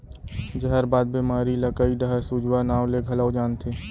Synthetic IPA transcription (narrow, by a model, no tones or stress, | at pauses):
d͡ʒəɦəɾbaːd̪̚bimaːɾiləkəid̪əɦəɾsud͡ʒwanaːwleɡʱɐləwd͡ʒaːnt̪ʰi